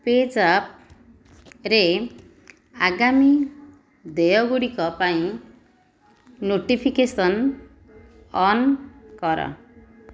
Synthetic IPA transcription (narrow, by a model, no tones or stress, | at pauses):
ped͡zap̚ | re | aɡami | d̪ejʌɡuɽikʌpaĩ | noʈipʰikesʌn | ʌnkʌɾʌ̰